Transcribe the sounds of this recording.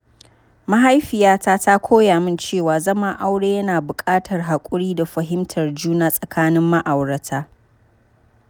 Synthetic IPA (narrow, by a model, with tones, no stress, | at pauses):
ma˦ɦa˦jɸɪ˨jaː˦taː˦ta˦kʷʰoː˦jaː˨mɪ˦nt͡ʃeː˦˨waː˨zɐ˦ma˦ʔa˦wɽeː˦jɐ˦naː˨bʊ˨kʼaː˦tʰɐ˨rɦa˨kʷʼʊ˦ɽiː˦da˨ɸɐ˨ɦɪ˦mtʰɐ˨rd͡ʒuː˦na˦sʼɐ˨kʰaː˦nɪ˦mːa˦ʔa˨wɽɐ˨tʰaː˦